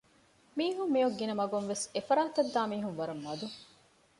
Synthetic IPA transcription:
miːɦumːijoɡːinɐmɐɡunʋesefɐɾaːt̪ɐd̪ːaːmiːɦunʋɐɾɐmːɐd̪u

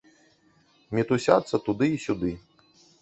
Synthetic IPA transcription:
mʲit̪usʲa̰t̪sːɐt̪ud̪ɨisʲud̪ɨ

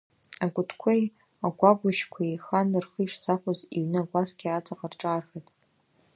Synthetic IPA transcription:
aɡʷʼʊtʰkʷʰej | aɡʷaɡʷaʃkʷʰaiχanɨrχɨiʂt͡sʰaχʷʊziɥnɨaɡʷʼazɡʲiat͡sʼaqʼarʈ͡ʂʼaːrxetʼ

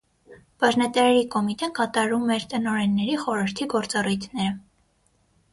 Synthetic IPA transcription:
b̥ɑʒnɛt̪ɛɾɛɾikɔmit̪ɛnkɑt̪ɑɾumɛɾt̪ənɔɾɛnːɛɾiχɔɾəɾt̪ʰiɡɔɾt͡sɑrujt̪ʰnɛɾə

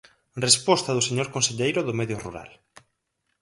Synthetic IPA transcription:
respɔst̪aðʊseɲoɾkõnseʎejɾʊðʊmɛðjʊrṵɾa̰l

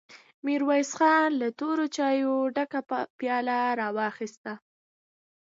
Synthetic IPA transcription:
miɾwajsxɑnlat̪oɾot͡ʃɑjoɖakapjɑlaɾɑwɑxist̪a

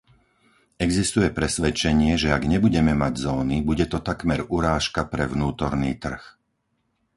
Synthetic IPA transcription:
ɛɡzist̪ujɛpɾɛsʋɛt͡ʃɛɲɪɛʒɛaɡɲɛbuɟɛmɛmaɟzɔːnibuɟɛt̪ɔt̪akmɛɾuɾaːʃkapɾɛʋnuːt̪ɔɾniːt̪r̩x

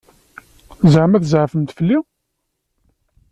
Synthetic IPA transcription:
zʕəmæθzʕfəmt̪fəlːi

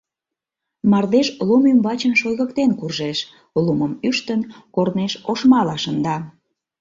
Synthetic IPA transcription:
mɑrd̪eʃlumymβɑt͡ɕənʃojɣəkt̪enkurʒeʃ | luməmyʃt̪ənkorneʃoʃmɑlɑʃənd̪ɑ

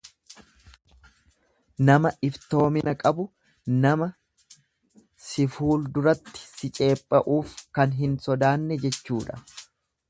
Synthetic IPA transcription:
nɐmɐʔɪft̪o̞ːmɪnɐkʼɐbʊ | nɐmɐ | sɪfuːld̪ʊɾɐt̪ːɪ̥sɪt͡ʃʼe̞ːpʼːɐʔuːfkɐnɦɪnsɔd̪aːnːɛd͡ʒɛt͡ʃːuːᶑɐ̥

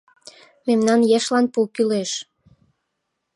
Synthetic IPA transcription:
memnɑnjeʃlɑnpukyleʃ

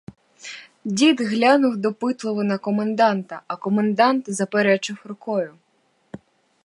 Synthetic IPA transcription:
dʲid̪ɦlʲanʊwd̪ɔpɪt̪lˠɔʋɔnɐkɔmend̪ɑnt̪ɐɐkɔmend̪ɑnt̪zɐpeɾɛt͡ʃɪwɾʊkɔjʊ

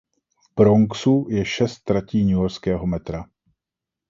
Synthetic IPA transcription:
fb̥ɾoŋksujɛʃɛst̪ːɾaciːɲujoɾskɛːɦo̞mɛt̪ɾa

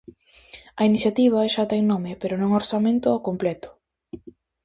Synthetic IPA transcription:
ɐiniθjat̪iβ̞ɐʃat̪ɛŋnomɪpeɾonõŋoɾsamẽnt̪ʊakomplɛt̪ʊ̥

